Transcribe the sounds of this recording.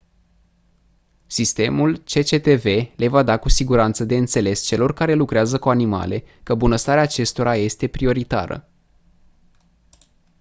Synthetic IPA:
sist̪e̞mult͡ʃe̞t͡ʃe̞t̪e̞ve̞le̞vad̪akusiɡuɾant̪səd̪e̞ɨnt̪se̞le̞st͡ʃe̞lo̞rkaɾe̞lukɾeazəkuanima̰le̞kəbunəst̪aɾeaːt͡ʃe̞st̪o̞ɾaje̞st̪e̞pɾio̞ɾit̪a̰ɾə̰

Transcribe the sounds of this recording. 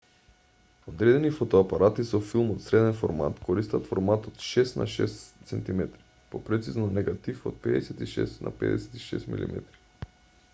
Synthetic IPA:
od̪ɾɛd̪ɛnifot̪ɔapaɾʔat̪isɔfilˠmot̪sɾɛd̪ɛnfoɾma̰t̪kʰoɾist̪at̪foɾmat̪ot̪ʃɛsnʔa̰ʃɛ̰ssɛnt̪imɛt̪ɾi̥ | popɾɛt̪siznɔnɛɡat̪ifo̰t̪̚pɛd̪ɛsɛt̪iʃɛ̰st̪nʔa̰pɛ̰d̪ɛ̰sɛ̥t̪i̥ʃɛ̰st̪mḭlḭmɛ̰t̪ɾi̥

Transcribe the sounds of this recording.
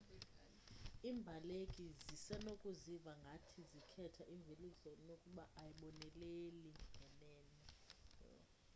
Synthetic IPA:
iːmbʱalekʼizisɛnokʼuzivaŋɡʱatʰizikʰɛtʰaʔiɱvʱilizɔnokʼuɓaʔajiɓɔnɛleliŋʱɛnɛːnɛ

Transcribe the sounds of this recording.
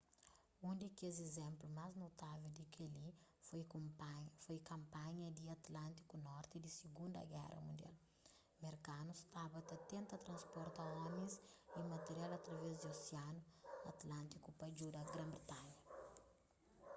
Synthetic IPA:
ũnd̪ikezezɛ̃mplumaznot̪avewd̪ikelifj | fojkɐ̃mpaɲɐd̪iɐt̪lãnt̪i̥kunɔɾt̪id̪isiɡũnd̪ɐ̰ɡɛ̰ɾɐ̰mũnd̪ia̰l | meɾkanust̪abɐt̪ɐt̪ẽnt̪ɐt̪ɾɐ̃spɔɾt̪ɐɔmĩsimɐt̪eɾjalɐt̪ɾɐvɛzd̪ioseanuɐt̪lãnt̪ikupɐd͡ʒud̪ɐɡɾɐ̃mbɾet̪aɲɐ

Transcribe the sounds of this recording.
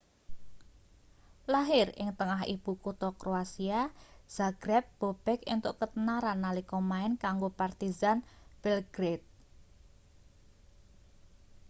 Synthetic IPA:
laɦɪrɪ̰ŋt̪əŋaɦḭb̥ukut̪ɔkɾoasiaz̥aɡ̥ɾɛp̚b̥o̤b̥ɛkɪ̰nt̪ʊʔkət̪ənaɾanːalikɔmaɪnkaŋɡopart̪izanb̥ɛlɡ̥ɾet̪̚

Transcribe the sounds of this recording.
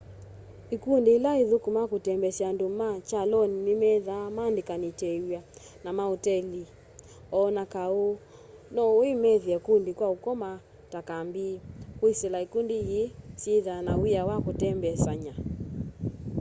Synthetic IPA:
ikundiːlaiðukumakutɛmbɛsiandumat͡ʃalɔninimɛðamandikanitɛja | namaotɛli | ɔnakao | nɔimɛðiɛkundikwaukɔma | takambikwisɛlaikundijesiðanawijawakotɛmbɛsaɲa

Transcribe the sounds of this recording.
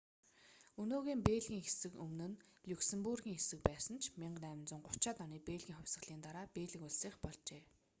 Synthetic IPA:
ɵnoːɣiːmpeːɮɣʲiːŋxesɘ̆kɵmnɘ̆nɮʲuksĕmpurɣʲiːŋxesɘ̆k̚pæːsə̆nt͡ɕʰmʲiɴɢnæːmɪ̆nt͡sʊ̆ɴɢʊt͡ɕaːt̪ɔniːpeːɮɣiːŋχʊwʲsə̆ɮ̥iːnt̪aɾaːpeːɮɘ̆kʊɮsiːχpɔɮt͡ɕeː

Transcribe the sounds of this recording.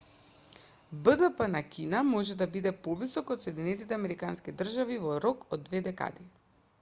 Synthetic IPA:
bəd̪əpənakinamɔʒɛd̪abid̪ɛpɔvisɔkot̪sɔɛd̪inɛt̪it̪ɛamɛɾikanskid̪r̩ʒavivɔɾɔkod̪ːvɛd̪ɛka̰d̪i

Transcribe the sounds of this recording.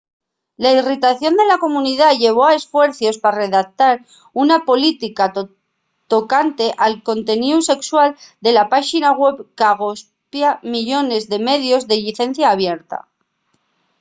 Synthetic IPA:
lairit̪aθjo̞nd̪e̞lako̞muniðaʎe̞β̞o̞ae̞sfwe̞ɾθjo̞spare̞ðak̚t̪aɾ | unapo̞lit̪ika | t̪o̞kant̪e̞ʔalko̞nt̪e̞niuse̞kswald̪e̞lapaʃinaɣwe̞βkaɣ̞os | pjamiʎo̞ne̞zðe̞me̞ðjo̞zðe̞ʎiθe̞n̟θjaːβ̞je̞ɾt̪a̰

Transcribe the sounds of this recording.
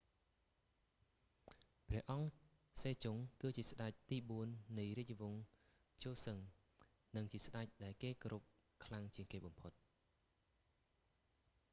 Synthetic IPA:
prɛ̆əʔɑŋ | seːt͡ɕʊŋkɨːt͡ɕiəsɗac̚t̪iːɓuənːɨjriəc̆̚ʋʊ̆ŋ | t͡ɕoːsəŋ | nɨŋt͡ɕiəsɗac̚ɗaɛlkeːkoɾup̚ | kʰlaŋt͡ɕiəŋkeːɓɑmpʰot̪̚

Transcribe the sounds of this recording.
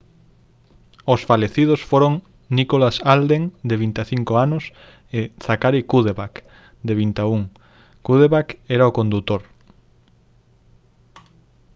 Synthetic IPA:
osfaleθið̞osfoɾoŋ | nikolasald̪eŋd̪eβint̪eθiŋkoanʊs | eθakaɾikuðeβak | d̪eβint̪auŋ | kuð̞eβakɛɾaokond̪ut̪oɾ

